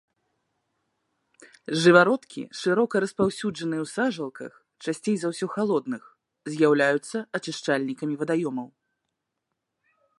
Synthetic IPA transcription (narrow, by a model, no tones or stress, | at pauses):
ʐɨvaɾɔt̪kʲḭʂɨɾɔkɐɾɐspawsʲud͡ʐɐnɨjɛwsaʐɐlˠkɐ̰x | t͡ʂasʲt͡sʲejzawsʲɔxalˠɔd̪nɨx | zʲjawlʲajut̪sːɐɐt͡ʂɨʂt͡ʂalʲnʲikɐmʲivɐd̪ajɔmɐw